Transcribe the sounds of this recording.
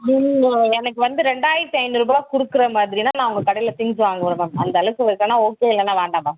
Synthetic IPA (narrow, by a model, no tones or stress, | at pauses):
nɪŋɐɛnɐkːɯʋɐnd̪ɯɾɛɳɖaːjɪɾt̪ːɯɐɪnɯɾuːbaːkʊɽɯkːɯɾɐmaːðɪɾinaːnãːʊŋɡɐkɐɽɐjɪlɐt̪ɪŋɪd͡ʒɯʋaːŋɡɐʋʊɾɐmɐmɐnd̪ɐːɭɯkːɯɪɾɯkːɐnːaːoːkeːɪlːɐnaːʋeːɳɖãːbaː